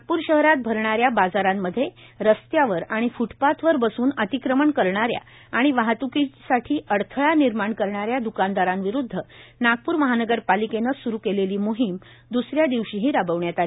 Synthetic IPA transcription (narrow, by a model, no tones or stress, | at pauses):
naɡ̚puːɾɕəɦɾat̪̚bʱəɾɳaɾjabad͡zaɾamːəd̪ʱːjeɾəst̪jaʋəɾaɽ̃ifuʈpat̪ʋəɾbəsuːnət̪ikɾəməɳkəɾɳaɾja̰ | aɽ̃iʋaɦat̪ukisaʈʰiːəɽt̪ʰəɭaniɾmaɳkəɾɳaɾjad̪ukand̪aɾamʋiɾud̪ʱːənaɡ̚puːɾməɦanəɡəɾpalikenəsuɾukeleliːmoɦim | d̪usɾjad̪iʋɕiɦiːɾabəʋɳjat̪ali